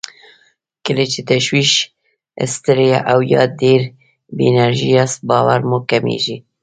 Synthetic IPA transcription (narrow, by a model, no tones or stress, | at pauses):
kɪlet͡ʃit̪ɛʃwiːʃ | ə̰st̪ɨɾejɛʔawjɑ̰ːd̪eːɾ | binɛɾʒijɑːsbɑːwæɾmoːkɛmḛːʒiː